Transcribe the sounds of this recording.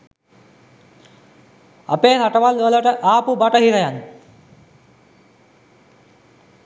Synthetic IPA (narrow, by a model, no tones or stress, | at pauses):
a̰peːsaʈəʋalʋələʈəʔaːpubaʈəɦiɾəjan